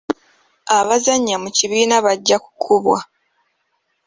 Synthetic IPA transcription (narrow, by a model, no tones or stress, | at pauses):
aβazaɲːamuciβiːnaβaɟːaku̥kʰuβwa